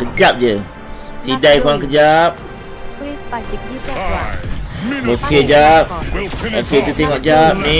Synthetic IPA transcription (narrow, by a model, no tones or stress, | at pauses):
kəd͡ʒap̚d͡ʒə | sidajkuaŋkəd͡ʒap̚ | okʰed͡ʒap̚oket̪ut̪ɛŋɔʔd͡ʒap̚ni